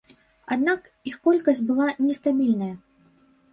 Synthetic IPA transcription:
a̰d̪̚nak | ixkɔlʲkɐsʲt͡sʲbɨlˠanʲɛst̪abʲilʲnɐjɐ

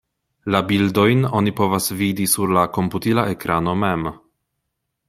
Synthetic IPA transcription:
labildo̞jno̞nipo̞vasvidisuɾlako̞mputilaekɾano̞mem

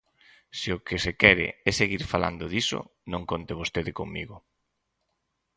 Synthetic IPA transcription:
siʊkɪsekɛɾɪ̰ɛseɣiɾfala̰nd̪ʊðisʊ̰nõŋkont̪ɪβost̪eðɪkoŋmiɣʊ

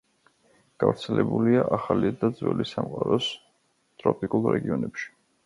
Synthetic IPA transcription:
ɡ̥avɾt̪sʰɛlɛbuliaʔaχalid̪ad̪zwɛ̰lisamqʼaɾɔs | t̪ʼɾɔpʼikʼulˠɾɛɡiɔnɛpʃi̥

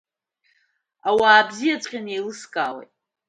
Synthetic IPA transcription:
awaːbzijat͡sʷʼqʲʼanejlɨskʼaːwḛjtʼ

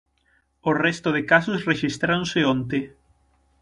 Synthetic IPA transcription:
orɛst̪oðekasosreʃist̪ɾaõnseõnt̪e

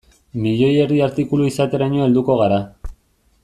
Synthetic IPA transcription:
miʎo̞je̞riaɾt̪ikuluisat̪e̞ɾaɲoe̞ld̪uko̞ɣ̞aɾa

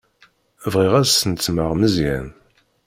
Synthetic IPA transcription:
vʁiʁæzsənt͡sːməʁməzjæn

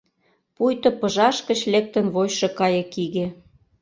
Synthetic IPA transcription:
pujt̪ɤ̆pɤ̆ʒɑʃkə̆t͡ɕlek̚t̪ə̆nβojʃɤ̆kɑjɤ̆kiɣe

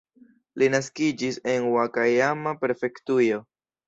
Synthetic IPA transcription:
linaskid͡ʒise̞nwakajamape̞ɾfe̞ktujo̞

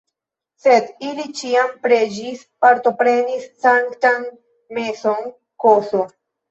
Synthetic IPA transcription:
se̞d̪ilit͡ʃiampɾe̞d͡ʒis | paɾto̞pɾe̞nisːaŋktan | me̞so̞n | koso

